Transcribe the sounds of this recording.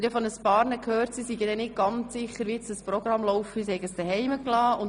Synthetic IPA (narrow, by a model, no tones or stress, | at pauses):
ɾjɑfɔnəspɑːɾnəkʰhøːɾtsisiɡədɛnɪt̚ɡ̥ɑnt͡sssɪχəɾʋiɪsd̥əsprɔɡɾɑmlɔwfisihɛjɡəsd̥əɦɛɪməklɑːʊn